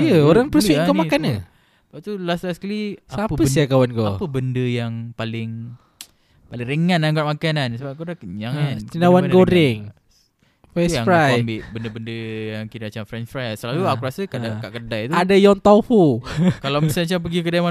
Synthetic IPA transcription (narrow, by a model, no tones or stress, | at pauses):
əoɾaŋpəsuiʔakəmakanə | bat̪ulaslasklisaapəəiakawanɡoapəbəndəjaŋpalɪŋ | palɪŋreŋananɡaʔmakanansəbapkudaɲaŋatinawanəɡoɾɪŋ | fɛjaŋɾajmbiʔbəndəbəndəjaŋkiɾamat͡ʃamfɾɛnfɾajsəlaluakuɾasəkaʔdakaʔkədajt̪uadajɔŋt̪afukalawmisamat͡ʃamp̬əɡikədajma